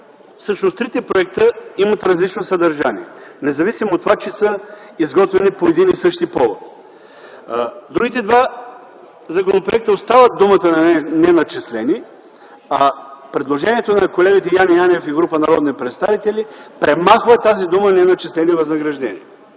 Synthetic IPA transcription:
fsɤʃnost̪ɾit̪ɛpɾoɛk̚t̪əimɐt̪ɾɐzlit͡ʃnosɐd̪ɐɾʒanḭɛnɛzɐvisimoːt̪ːovat͡ʃɛsə | izɡɔt̪vɛnipoɛd̪inisɤʃt̪ipɔvot̪ | d̪ɾuɡʲit̪ɛd̪va | zɐkonopɾoɛk̚t̪əost̪avəd̪umət̪ənɐɛnɛnɐt͡ʃɛslɛni | apɾɛd̪lˠoʒɛniɛt̪onɐkolɛɡit̪ɛjanianɛfiɡɾupənɐɾɔd̪nipɾɛt̪st̪avit̪ɛlipɾɛmaxvət̪ːazid̪umənɛnɐt͡ʃɛslɛnivɐznɐɡɾɐʒd̪ɛniɛ

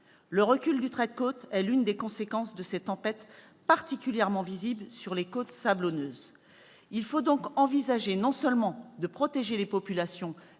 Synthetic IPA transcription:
ləʁəkʲyld̪yt̪χɛd̪̚kot̪ɛlynd̪ekɔ̃sekɑ̃sd̪əsɛt̪ɑ̃pɛt̪ | paʁt̪ikʲyljɛʁmɑ̃viziblsyʁlekot̪sablɔnøːz | ilfod̪ɔ̃kɑ̃vizaʒenɔ̃sœlmɑ̃d̪əpχɔt̪eʒelepɔpylasjɔ̃

